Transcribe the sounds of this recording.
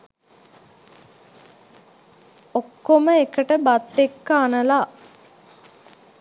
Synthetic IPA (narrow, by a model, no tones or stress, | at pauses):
okːoməekəʈəbat̪ːekːəanəla